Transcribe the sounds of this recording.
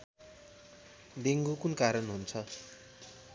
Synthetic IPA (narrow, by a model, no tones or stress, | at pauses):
d̪eŋɡukunkaɾʌnɦunt͡sʰʌ